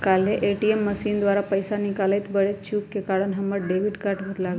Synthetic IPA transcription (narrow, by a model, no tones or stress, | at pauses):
kalɦeʔeʈiemːəsiːnd̪ʋaɾapəjsanikalet̪bəɭet͡ɕukːekaɽənɦəməɽɖeʋiɖkaɾʈʋət̪laɡ